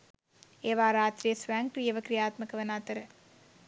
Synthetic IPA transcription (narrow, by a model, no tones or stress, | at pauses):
eːʋaːɾaːt̪rijəsʋaŋkɾijəʋəkɾijaːt̪məkəʋɐnaːt̪əɾə